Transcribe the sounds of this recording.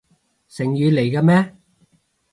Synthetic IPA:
sɪ˨˩ŋjyː˨˧le˨˩jkaː˧mɛː˥

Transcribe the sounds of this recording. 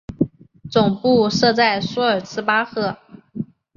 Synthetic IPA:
t͡sʊ˨˩ŋpu˥˧ʂɤ˥˧t͡sa˥˩ɪsɔ˥ə˞˨˩t͡sʰɹ̩˥pa˥xɤ˥˩

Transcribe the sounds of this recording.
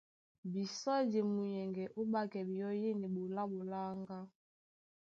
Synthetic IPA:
bi˨sɔ˦d͡ʒe˨mu˨jɛ˨ŋɡɛ˨ʔu˦ɓa˦kɛ˨bi˨jɔ˦je˦ne˨bo˨la˦bo˨la˦ŋɡa˦

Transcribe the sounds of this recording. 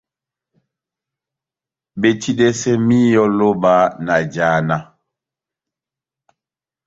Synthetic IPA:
be˨t͡ʃi˦dɛ˦sɛ˦mi˦jɔ˦lo˦ba˦na˨d͡ʒa˨˦˨na˦

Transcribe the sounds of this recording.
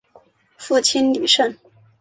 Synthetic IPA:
fu˥˩t͡ɕʰi˥nli˨˩ʂə˥˧n

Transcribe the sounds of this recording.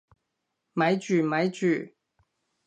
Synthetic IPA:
mɐ˨˧˥jt͡ʃyː˨mɐ˨˥jt͡ʃyː˨˩

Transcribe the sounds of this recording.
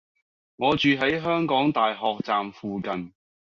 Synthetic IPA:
ŋɔː˨˧t͡ʃyː˨ɦɐ˨˥jɦœː˥ŋkɔː˨˥ŋt̪aː˨jɦɔː˨k̚t͡saː˨mfuː˨kɐ˨n

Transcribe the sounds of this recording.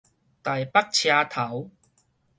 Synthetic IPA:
t̪a˨˩jpa˦˥k̚t͡ɕʰjaː˧t̪ʰa˨˦w

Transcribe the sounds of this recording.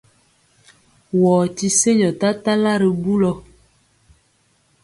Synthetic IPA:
wɔː˨ti˦se˦jɔ˨ta˦ta˦la˦ɾi˨bu˦lɔ˦

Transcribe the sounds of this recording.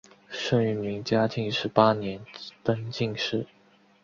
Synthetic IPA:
ʂɤ˥˧ŋy˥˩mi˧˥ŋt͡ɕja˥tʰi˧˥ŋʂɻ̩˧˥pa˥njɛ˧˥nt̪ə˥nt͡ɕi˥˧ŋʂɻ̩˥˩

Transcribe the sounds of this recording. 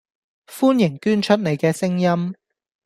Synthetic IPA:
fuː˥njɪ˨˩ŋkyː˥nt͡ʃʰɵ˥t̚ne˨jkɛː˧sɪ˥ŋjɐ˥m

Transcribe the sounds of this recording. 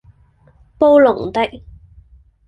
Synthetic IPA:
po˥wlʊ˨˩ŋt̪ɐ˥k̚

